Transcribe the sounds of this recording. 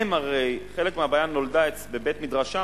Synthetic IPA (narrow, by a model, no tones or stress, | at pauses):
emaʁe̞jχe̞lekmeabajanːo̞ldae | bebet̪midʁaʃa